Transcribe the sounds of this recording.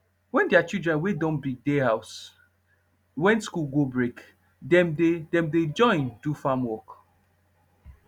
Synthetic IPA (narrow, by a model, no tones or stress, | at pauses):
wɛ̃ndeat͡ʃidɹɛ̃nwedɔ̃nbiɡ̚dehaʊs | wɛ̃nskulɡobɹek | dɛ̃mdedɛ̃mded͡ʒɔ̃ɪ̃ndufamwɔk